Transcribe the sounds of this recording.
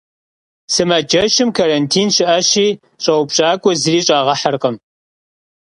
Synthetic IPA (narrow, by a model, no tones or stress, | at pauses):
sɨmad͡ʒɐʃɪmkʰaɾɐntʰiːnɕɪʔɐɕiː | ɕʼɐwpɕʼaːkʷʼɔzɨriːɕʼaːʁɐħərqəm